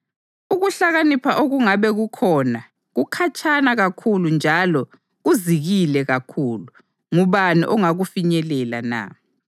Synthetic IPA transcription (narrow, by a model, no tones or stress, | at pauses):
uɣuɬaɣanipʰaʔoɣuŋaβɛɣukʰɔna | ɣukʰat͡ʃʰʼanaɣakʰulund͡ʒʱalɔ | ɣuziɣilɛɣakʰuːlu | ŋuβanḭʔɔŋaɣufiɲɛlɛla̰na̰